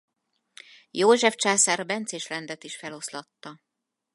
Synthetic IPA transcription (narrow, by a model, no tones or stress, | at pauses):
joːʒɛft͡ʃaːsaːrbɛnt̪seːʃlɛnd̪ɛt̪iʃfɛlo̞slɒt̪ːɒ